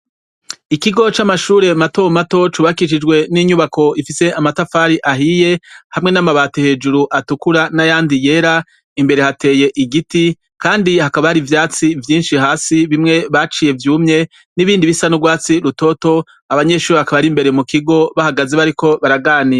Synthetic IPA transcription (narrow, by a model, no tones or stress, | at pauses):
ikiɡo̞t͡ʃamaʃuːɾe̞mato̞mato̞t͡ʃuːβakiʃ̬id͡ʒɡwe̞niɲuβako̞ifise̞ʔamatafaːɾiʔaɦije̞hamŋe̞namaβaːtohe̞ːd͡ʒuɾuʔatukuɾanajaːndije̞ːɾa | imbe̞ɾe̞hate̞ːje̞ʔiɡiti | kaːndihakaβahaɾivjaːt͡sivjiːnʃiɦaːsiβimŋe̞βat͡ʃije̞vjuːmɲe̞ | niβiːndiβisanuɡwaːt͡siɾuto̞to̞ | aβaɲe̞ʃuːɾeakaβaɾimbe̞ɾe̞mukiɡo̞βahaɡazeβaɾiko̞βaɾaɡaːnij